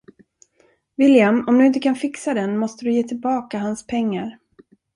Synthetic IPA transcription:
vɪljamɔmd̪ɵɪnt̪̬əkʰanfɪksad̪ɛnmɔst̪əd̪ɵjeːt̪ʰɪlbɑːkaɦanspʰɛŋːaɾ

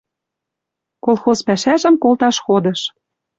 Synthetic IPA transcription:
kolˠxozpæʃæʒə̆mkolˠt̪ɑʃxod̪ɤ̆ʃ

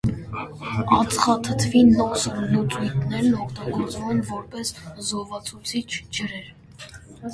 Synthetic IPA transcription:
ɑt͡sʰχɑt̪ʰət̪ʰvinɔslət͡sujt̪ʰnɛɾnɔkʰt̪ɑɡɔɾt͡svumɛnvɔɾpɛszɔhvɑt͡sʰut͡sʰit͡ʃʰd͡ʒəɾɛɾ

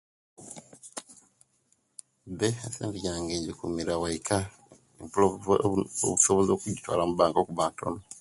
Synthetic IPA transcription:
beaseːnviɟaːŋɡeːɲɟikumiɾawaikʰa | o | o̰βusoβozoːkuɟitwa̰ːlamubaːŋkokuβaːntʰo̰no

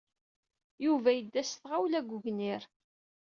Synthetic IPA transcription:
juvæjəd̪ːæsθʁawlæɡʷʊʝnɪɾ

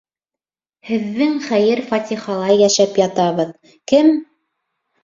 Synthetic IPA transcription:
hɘ̆ðːɘŋχæjɘɾfɑt̪ʲiχɑlˠɑjjæʃæpjɑt̪ɑβɤð | kɘm

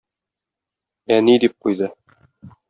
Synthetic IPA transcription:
ænid̪ip̚qujd̪ɤ

